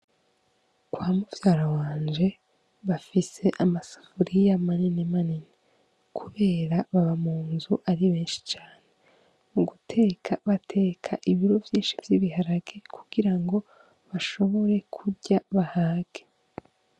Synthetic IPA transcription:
kwaːmuvjaːɾawaːnd͡ʒe̞ | βafise̞ʔamasḁfuɾijamaninemanine | kʰuβe̞ːɾaβaβamuːnzuʔaɾiβe̞ːnʃi̥t͡ʃaːne̞ | muɡutʰe̞ːkʰaβatʰe̞ːkʰaʔiβiɾovjiːnʃivjiβihaɾaɡekʰuɡ̥iɾaŋɡo̞ | βaʃo̞βo̞ɾe̞kʰuɟaβahaːɡ̥e

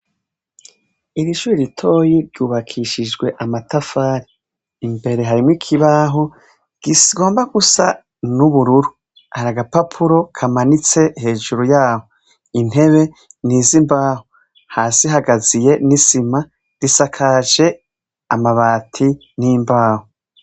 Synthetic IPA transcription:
iɾiʃuɾiɾitʰo̞ːjiɾɟuːβakʰiʃid͡ʒɡwe̞ʔamatafaːɾiː | mbe̞ɾe̞ɦaɾimŋikʰiβaɦo | ɡ̥iɡo̞ːmbaɡusa | nuβuɾuɾu | haɾaɡapapʰuɾo̞kʰamanit͡se̞he̞ːʒuɾujaːho | in̥e̞βe̞ | niːzimbaːɦo | haːsiɦaɡazije̞nisima | ɾisakʰaʒe̞ | amaβaːtʰi | nimbaːho

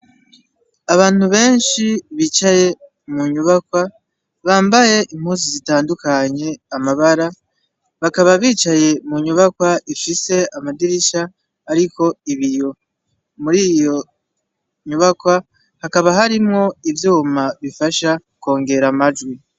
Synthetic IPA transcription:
aβaːn̥huβe̞ːnʃiβiːt͡ʃaje̞ | muɲuβakwa | βaːmbaje̞ʔim̥huːns̬izitaːndukaɲe̞amaβaɾa | βakaβaβiːt͡ʃaje̞muɲuβakwaʔifise̞amadiɾiʃaː | ɾiko̞iβijo̞ | muɾiːjo̞ | ɲuβakwa | hakaβaɦaɾimŋo̞ivjuːmaβifaʃa | ko̞ːŋɡe̞ɾamad͡ʒɡwi

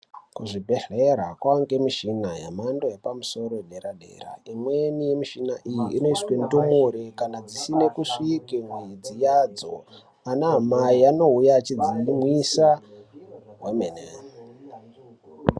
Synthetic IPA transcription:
kuʐibʱe̞ɮeɾakwaŋɡemiʃinajamandojepamuso̞ɾo̞eɗeɾaɗḛːra̰imwenijemiʃinaʔijiino̞iswentomoɾekanad͡zisine̞kuʂikemweid͡zijaːd͡zo̰ | anamaiano̞ujat͡ʃid͡zimwisa | ɦwemene

